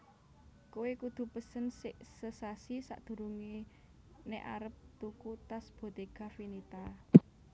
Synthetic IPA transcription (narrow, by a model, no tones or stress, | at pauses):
kuwekud̪̥ṳpəsənsɪʔsəsasisa̰ʔd̪̥ṳɾuŋi | neʔa̰ɾəp̚t̪ukut̪asb̥o̤t̪eɡ̥ä̤finit̪a